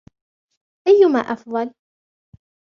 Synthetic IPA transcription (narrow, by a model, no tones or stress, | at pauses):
ʔajːʊmaːʔɑfðˤɑl